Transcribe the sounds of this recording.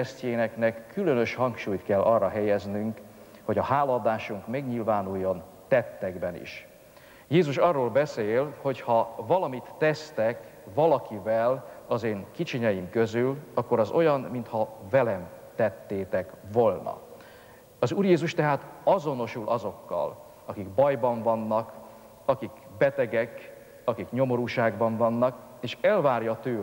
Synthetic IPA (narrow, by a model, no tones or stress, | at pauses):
steːnɛknɛkʰːylø̞nø̞ʃhɒŋkʃuːjt̪kɛlːɒrːɒɦɛjɛznyŋk | ho̞ɟɒhaːlɒd̪aːʃuŋkmɛɡɲilvaːnujːo̞n | t̪ɛt̪ːɛɡbɛnḭʃ | jeːzuʃɒrːoːlbɛseːlho̞chɒvɒlɒmit̪ːɛst̪ɛk | vɒlɒkivɛlɒzeːŋkit͡ʃiɲɛjimkø̞zylɒkːo̞ɾɒzo̞jɒnmint̪hɒvɛlɛmt̪ɛt̪ːeːt̪ɛkvo̞lnɒ̰ | ɒzuːrjeːzuʃt̪ɛɦaːt̪ɒzo̞no̞ʃulʔɒzo̞kːɒ̰l | ɒkiɡbɒjbɒɱvɒnːɒk | ɒkik | bɛt̪ɛɡɛk | ɒkikɲo̞mo̞ɾuːʃaːɡbɒɱvɒnːɒk | eːʃɛlvaːrjɒt̪øː